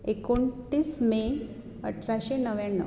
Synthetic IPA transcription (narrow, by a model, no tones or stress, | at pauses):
ekoɳtiːsme | ə̰ʈʰɾaɕenəʋjaɳːə̰